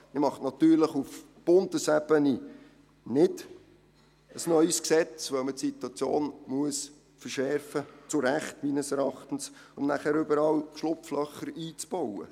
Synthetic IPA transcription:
məmɑχtnɑt̪yːɾləχuf | b̥ʊndəsɛb̥əni | nɪd̥ | əsnœʏsksɛt͡sʋœʊmətsit̪wɑt͡sjoːnmuəs | fərʃɛrfət͡sʊɾæχtmiːnəsɛɾɑχt̪ən̩s | ʊmnæχæɾʏbəɾɑlʃlʊpflœχəɾiːt͡sb̥ɔwə̰

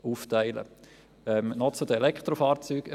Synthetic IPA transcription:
uːftaɪlə̰ | ɛmnɔt͡sod̪əelɛkt̪ɾofɑːɾt͡syːɡ

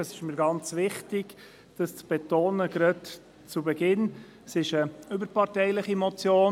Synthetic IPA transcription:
əsɪʃmiɾɡɑnt͡sʋɪχtɪɡ̥ | d̥ɑst͡sb̥ɛtoːnəɡɾɑd | t͡subɛɡɪn | sɪʃəʏbəɾpɑɾtɛɪlɪχimɔt͡sjoː

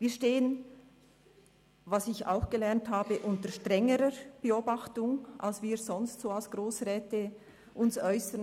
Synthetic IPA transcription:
viːɐʃteːən | vasɪça̰ʊxɡ̥əlɛɐnthaːbəʔʊntəɾʃtʁɛŋəɾəb̥əoːbɑχtʊŋʔa̰lsv̥iːɾzɔnstsoːalsɡ̥ʁoːsʁɛːtə | ʔʊnsɔʏsən

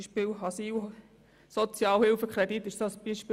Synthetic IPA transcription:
ʃpɪlɑsiːl | sot͡sjɑːlhɪlfəkχɾɛdit̪ːɪʃsosb̥iʃpɪ

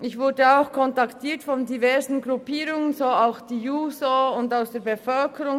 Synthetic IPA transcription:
ɪçvʊɾdəaʊxkʰɔntɑktʰiːtfɔndivɛɐzn̩ɡɾupiːɾʊŋənzoːaʊxd̥iːjuːzoʊndaʊsd̥eːɐbəfœlkʰəɾʊŋ

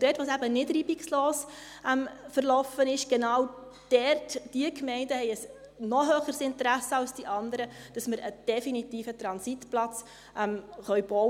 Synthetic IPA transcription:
d̥ɛtʋoːsæbənɪdɾiːbiksloːs | ʔɛmfəɾlɔfənɪʃɡ̥ɛnɑːw | d̥ɛrtd̥iəkmɛɪndəhɛɪəs | nɔɦøːχəɾsɪntəɾæsəɑlsd̥iʔɑndəɾəd̥ɑsməɾəd̥ɛfinitiːfətɾɑnsitplɑt͡s | ʔɛmχœɥb̥ɔw

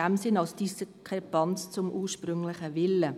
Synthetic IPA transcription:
æmsɪnɑlsd̥iskʰʁɛpɑnt͡st͡sʊmʔuːʃpʁʏŋlɪχəvɪlːə

